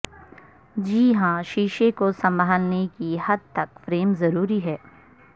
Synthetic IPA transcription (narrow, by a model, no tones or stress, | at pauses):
d͡ʒiːɦãʃiːʃekosɐ̃mbʱaːnːekiɦɐd̪̚t̪ɐkfɾeːmzɐɾuːɾiɦɛː